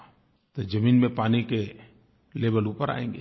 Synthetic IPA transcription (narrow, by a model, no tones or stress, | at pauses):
t̪od͡ʒɐmiːnmẽpaːnike | leːbəluːpəɾa̰ːḛ̃ːŋɡḛː